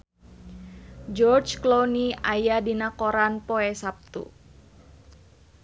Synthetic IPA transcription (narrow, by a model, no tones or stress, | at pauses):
d͡ʒɔrd͡ʒkloniajadinakoɾanpɔɛsap̚t̪ṵ